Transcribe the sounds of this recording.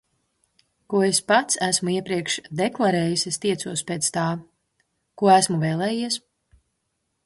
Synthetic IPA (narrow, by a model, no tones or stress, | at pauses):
kuɔespat̪sæsmuiɛpɾiɛkʃd̪eklˠaɾɛːjisest̪iɛsuɔspet̪st̪aː | kuɔæsmuvɛːlˠɛːjiɛs